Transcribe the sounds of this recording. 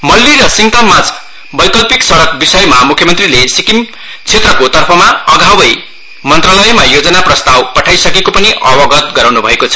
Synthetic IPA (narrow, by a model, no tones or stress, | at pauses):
mʌlːiɾʌsiŋt̪amad͡z | bʌjkʌlpiksʌɾʌkbisʌjmamukʰjʌmʌnt̪rilesikim | t͡sʰet̪rʌkot̪ʌrpʰʌmaʌɡʱawʌj | mʌnt̪ralʌjmajod͡zʌnaprʌst̪awpʌʈʰajsʌkekopʌniʔʌbʌɡʌt̪ɡʌɾawnubʱʌekot͡sʰʌ̥